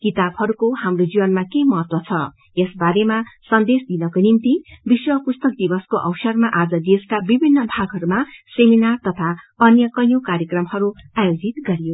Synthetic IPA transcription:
kit̪abhʌɾukohamrod͡zibʌnmakemʌɦʌt̪wʌt͡sʰʌ | jesbaɾemasʌnd̪esd̪inʌkonimt̪ibiswʌpust̪ʌk̚d̪ibʌskoʔʌwsʌrmaʔad͡zʌd̪eskabibʱinːʌbʱaɡʱɦʌɾumaseminart̪ʌt̪ʰa | ʌnjʌkʌjokaɾjʌkrʌmhʌɾuajod͡zit̪ɡʌɾijo

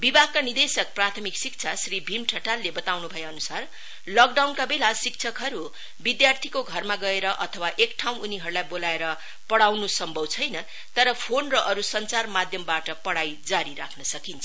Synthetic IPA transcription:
bibʱaɡ̚kanid̪esʌk̚prat̪ʰʌmiksik̚t͡sʰasribʱimʈʰʌʈalːebʌt̪awnubʱʌeʌnusar | lʌk̚ɖawnkabelasik̚t͡sʰʌkɦʌɾu | bid̪jart̪ʰikoɡʱʌrmaɡʌeɾʌʔʌt̪ʰʌwaʔekʈʰaw̃uniɦʌɾulajbolaeɾʌ | pʌɽawnusʌmbʱʌwt͡sʰʌjnʌ | t̪ʌɾʌpʰonrʌʔʌɾusʌnt͡sarmad̪ʱjʌmbaʈʌpʌɽajd͡zaɾiɾakʰnʌsʌkint͡sʰʌ

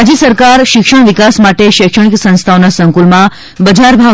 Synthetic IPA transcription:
d͡ʒjəsəɾkaɾʃɪkʃəɽ̃ʋikasmaʈeʃekʃəɽ̃iksə̃ñst̪ʰaonasəŋkulmã | bəd͡ʒʱaɾbʱa

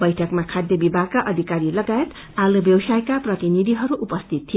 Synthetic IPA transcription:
bʌjʈʰʌkmakʰad̪jʌbibʱaɡ̚kaʔʌd̪ʱikaɾilʌɡajet̪ | alubjʌwsajkaprʌt̪inid̪ʱiɦʌɾuʔupʌst̪ʰit̪ʰːijo

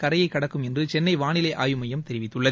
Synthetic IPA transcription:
kɐɾɐjɐɪkːɐɽɐkːɯmɛndrɯt͡ʃɛnːɐɪʋaːnɪlɐɪʔa̰ːjɯmɐjɐmt̪ɛɾɪʋɪt̪ːɯɭːɐ

